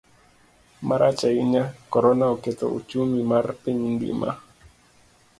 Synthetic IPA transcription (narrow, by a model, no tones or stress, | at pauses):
maɾʔat͡ʃaɪɲakɔɾɔnaɔkɛtɔ̰ṵt͡ʃumimarpiɲndḭma̰